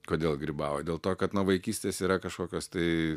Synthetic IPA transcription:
koːdʲeːlˠɡɾʲibɑːʋodʲeːlˠt̪oːkɐt̪nɐʋɐɪkʲiːsʲt̪ʲeːsiːɾɐkɐʃkoːkʲoːst̪ɐɪ

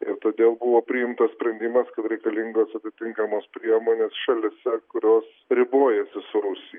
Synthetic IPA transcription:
ɪ̰ɾt̪oːd̪ʲeːlˠbʊʋoːpʲɾʲɪɪmt̪ɐssʲpʲɾʲɛnʲd̪ʲɪmɐskɐt̪ɾʲɛɪkɐlʲɪŋɡoːsɐt̪ʲɪt̪ʲɪŋkɐmoːspʲɾʲiɛmoːnʲeːsʃɐlʲɪsʲɛkʊɾʲoːs | ɾʲɪboːjɛsʲɪsʊɾʊsʲɪj

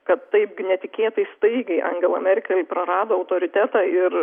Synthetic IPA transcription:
kɐt̪ːɐɪpɡʲnʲɛt̪ʲɪkʲeːt̪ɐɪst̪ɐɪɡʲɛɪʔɐ̰ŋʲɡʲɛlˠɐmʲɛɾʲɪkʲɛlʲpɾɐɾɑːd̪oːɐʊt̪oːɾʲɪt̪ʲæt̪ɑɪr

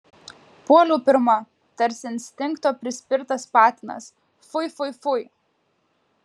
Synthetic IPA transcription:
puɔlʲuːpʲɪɾmɐ | t̪ɐɾʲsʲɪnʲsʲt̪ʲɪŋkt̪oːpʲɾʲɪsʲpʲɪɾt̪ɐspɑːt̪ʲɪnɐ̰s | fʊɪfʊɪfʊɪ

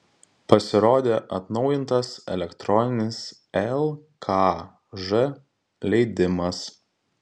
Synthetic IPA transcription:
pɐsʲɪɾoːd̪ʲeːʔɐt̪nɒʊjɪnt̪ɐsɛ̰lʲɛkt̪ɾɔnʲɪnʲɪs | ɛlˠ | kʰɑ | ʒɨ | lʲɛɪd̪ʲɪmɐs

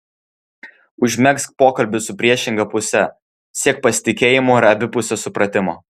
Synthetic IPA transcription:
ʊʒʲmʲɛkskpoːkɐlʲbʲɪsʊpʲɾʲiɛʃʲɪŋɡɐpʊsʲɛ | sʲiɛk̚pɐsʲɪ̥t̪ʲɪkʲeːjɪmoːɪɾɐbʲɪpʊsʲɛsʊpɾɐt̪ʲɪmo̰ː

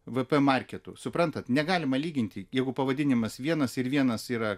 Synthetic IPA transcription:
ʋɨpɛmɐrʲkʲɛt̪ʊ̰sʊpɾɐnt̪ɐt̪nʲɛɡɑːlʲɪmɐlʲiːɡʲɪnʲt̪ʲɪjɛɪɡʊpɐʋɐd̪ʲɪnʲɪmɐsʋʲiɛnɐsɪɾʋʲiɛnɐsiːɾɐ

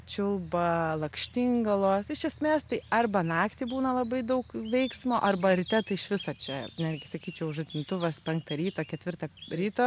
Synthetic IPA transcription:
t͡ʃʲʊlˠbɐlˠɐkʃʲt̪ʲɪŋɡɐlˠoːsɪʃʲɛsʲmʲeːst̪ɐɪɐrbɐnɑːkt̪ʲibuːnɐlˠɐbɐɪd̪ɐʊkʋʲɛɪksmoːʔɐrbɐɾʲɪt̪ʲɛt̪ɐɪʃʋʲɪsoːt͡ʃʲɛnʲærʲɡʲɪsɐkʲiːt͡ʃʲɛʊʊʃɐt̪ʲɪmt̪ʊʋɐspʲɛŋk̚t̪ɐɾʲiːt̪oːkʲɛt̪ʲʋʲɪrt̪ɐɾʲiːt̪oː

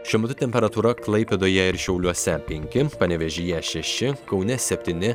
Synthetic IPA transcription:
ʃʲɛmʊt̪ʊt̪ʲɛmʲpʲɛɾɐt̪uːɾɐklˠɐɪpʲɛd̪oːjɛɪɾʃʲɛʊlʲuɔsʲɛpʲɛŋʲkʲɪpɐnʲɛʋʲɛʒʲijɛʃʲɛʃʲɪkɒʊnʲɛsʲɛpʲt̪ʲiːnʲɪ

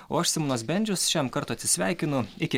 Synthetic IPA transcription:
oːɐʃsʲɪmʊnoːsbʲɛnʲd͡ʒʲʊsʃʲɛmkɐɾt̪ʊːɐt̪ʲsʲɪsʲʋʲæˑɪkʲɪnʊɪkʲɪ

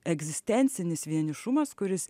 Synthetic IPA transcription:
ɛɡzʲɪsʲt̪ʲɛnʲt̪sʲɪnʲɪsʋʲiɛnʲɪʃʊmɐskʊɾʲɪs

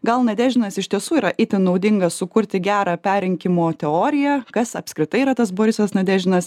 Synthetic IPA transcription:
ɡɐlˠnɐd̪ʲæːʒʲɪnɐsɪʃʲt̪ʲiɛsuːiːɾɐʔɪt̪ʲɪnɒʊd̪ʲɪŋɡɐsʊkʊɾʲt̪ʲɪɡʲæːɾɑːpʲæːɾʲɛŋʲkʲɪmoːt̪ʲɛoːɾʲɪjɛkɐsɐpʲskɾʲɪt̪ɐɪiːɾɐt̪ɐsboːɾʲɪsʲɛsnɐd̪ʲæːʒʲɪnɐs

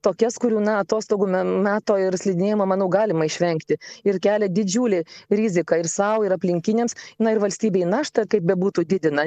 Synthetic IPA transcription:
t̪oːkʲɛskʊɾʲuːnɐɐt̪oːst̪oːɡʊmʲmʲæːt̪oːɪrsʲlʲɪd̪ʲɪnʲeːjɪmɐmɐnɐʊɡɑːlʲɪmɐɪʃʲʋʲɛŋkt̪ʲɪɪɾkʲæːlʲɛd̪ʲɪd͡ʒʲuːlʲɪɾʲɪzʲɪkɐɪrsɐʊɪɾɐpʲlʲɪŋʲkʲɪnʲeːmsnɐɪrʋɐlʲsʲt̪ʲiːbʲeːɪnɑːʃt̪ɐkɐɪp̚bʲɛbuːt̪uːd̪ʲɪd̪ʲɪnɐ

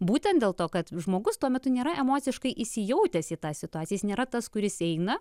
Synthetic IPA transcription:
buːt̪ʲɛnt̪dʲeːlˠt̪oːkɐt̪ʒmoːɡʊst̪uɔmʲɛt̪ʊnʲeːɾɐʔɛmoːt̪sʲɪʃkɐɪʔɪʃsʲɪjɛʊt̪ʲɛsiːt̪ɑssʲɪt̪ʊɑːsʲijɛsnʲeːɾɐt̪ɐskʊɾʲɪsɛɪnɐ

